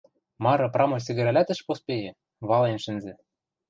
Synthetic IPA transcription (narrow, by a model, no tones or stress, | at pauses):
mɑɾɤ̆prɑmojs̬ɘ̆ɣɘ̆ɾælæt̪ɘ̆ʃpospejĕ | βɑlenʃɘ̆nzɘ̆